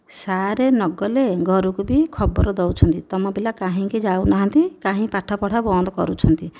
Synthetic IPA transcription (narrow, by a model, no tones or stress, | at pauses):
saɾenɔɡɔleɡʱɔɾukubikʰɔbɔɾɔd̪ewt͡ʃʰɔnt̪it̪ɔmɔbilakaɦĩked͡ʒawnaɦant̪ikaɦĩpaʈʰɔpɔɽʰabɔnd̪ɔkɔ̰ɾut͡ʃʰɔnt̪i